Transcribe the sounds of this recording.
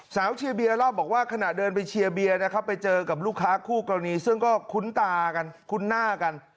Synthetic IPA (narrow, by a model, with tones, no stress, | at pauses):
saː˩˦wt͡ɕʰi˧əbi˧ɐlaː˥˩bɔː˨˩k̚waː˥˩kʰa˧na˨˩dɤː˧npa˧jt͡ɕʰi˧əbi˧ɐna˦˥˩kʰpːa˧jt͡ɕɤː˧ka˨˩p̚luː˥˩kʰːaː˦˥kʰuː˥˩ka˧niː˧˥sɯ˥˩ŋkɔː˥˩kʰu˦˥nt̪aː˧ka˧nkʰu˦˥nːaː˥˩ka˧n